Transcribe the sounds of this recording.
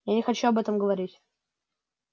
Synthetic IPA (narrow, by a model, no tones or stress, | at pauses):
janʲɪxɐt͡ɕuɐbɛt̪əmɡəvɐɾʲitʲ